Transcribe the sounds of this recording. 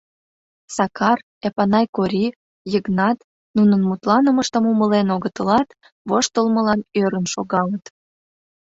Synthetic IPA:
sɑkɑr | epɑnɑjkoɾʲi | jəɣnɑt̪ | nunənmut̪lɑnəməʃt̪əmuməlenoɣət̪əlɑt̪ | βoʃt̪əlməlɑnøɾənʃoɣɑlət̪

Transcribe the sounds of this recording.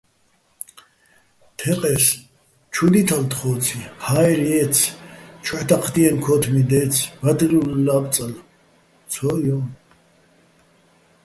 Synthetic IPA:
t̪ʰɛqʼɛs | t͡ʃʰud̪it̪ʰalt̪χɔːt͡sʰihaɛɾiɛt͡sʰt͡ʃʰwɛt̪ʰʼaqʰd̪iɛnkʰɔt̪ʰmid̪ɛːt͡sʰvad̪ɾilːab̪t͡sʼal | t͡sʰɔjɔn

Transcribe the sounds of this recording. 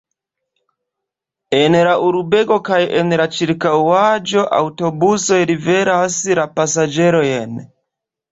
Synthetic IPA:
enɾaʔuɾubeɡokajʔenɾat͡ʃiɾkawad͡ʒo̞ʔa̰wtobusojɾiveɾasɾapasad͡ʒeɾojen

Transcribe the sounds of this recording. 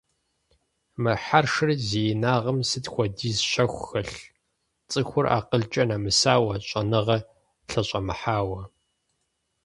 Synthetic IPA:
mɨħarʂɨrzeːjnaːʁɐmsɨtxʷɔdiːzɕɐxʷxɐɬ | t͡sʼɨxʷʊra̰ːqəɮt͡ʃʼɐnaːmɨsaːwɐɕʷʼɐnɨʁɐ | ɬɐɕʷʼɐmɨħaːwɐ

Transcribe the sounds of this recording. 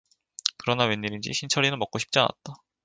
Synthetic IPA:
kɯɾʌnawenɲːiɾind͡ʑḭɕʰint͡ɕʰʌɾinɯnmʌk͈̚oɕʰi̥p̚t͡ɕ͈ia̰na̰t̚t͈a

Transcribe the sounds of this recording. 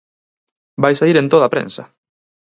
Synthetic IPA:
bajsaiɾẽnt̪oð̞apɾḛ̃nsɐ̰

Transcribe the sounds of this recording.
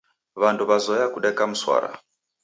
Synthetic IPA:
βanduβazɔjakuɗɛkam̩swa̰ɾa̰

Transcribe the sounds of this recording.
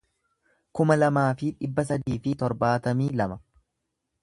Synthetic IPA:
kʊmɐlɐmaːfɪᶑɪbːɐs̬ɐd̪iːfɪt̪ɔɾbaːt̪ɐmiːlɐmɐ

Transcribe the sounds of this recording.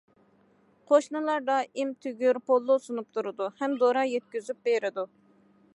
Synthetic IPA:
qʰoʃnɨlˠɑɾd̪ɑimt̪ʰyɡʲyɾpʰolˠːʊsunup̚t̪ʰuɾɨd̪uhɛmd̪oɾɑjɛt̪̚kʲyzyp̚beɾɪd̪u

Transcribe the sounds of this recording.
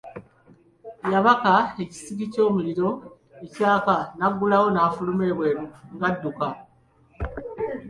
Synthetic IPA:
jaβakae̞ci̥siɡico̞ːmuliɾo̞ | ecaːkanaɡːulawo̞naːfulume̞βwe̞ŋɡadːuka

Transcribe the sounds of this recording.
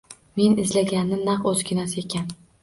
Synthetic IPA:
me̞nɪzlaɡʲanːɪnaqɵzɡʲɪnasekʲʰan

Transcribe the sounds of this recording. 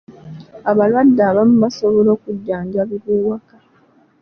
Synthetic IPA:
aβalwadːaːβamuβasoβolo̞ːkuɟːaːɲɟaβiβuːwakḁ

